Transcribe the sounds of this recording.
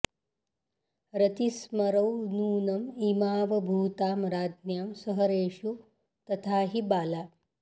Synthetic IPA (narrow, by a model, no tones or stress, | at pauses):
ɾɐt̪ismɐɾɐwnuːnɐmimaːʋɐbʱuːt̪aːmɾaːd̪njaːmsɐɦɐɾeːʃu | t̪ɐt̪ʰaːɦibaːlaː